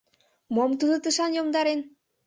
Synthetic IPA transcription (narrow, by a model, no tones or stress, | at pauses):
momt̪ud̪ɯt̪ɯʃɑnjomd̪ɑɾen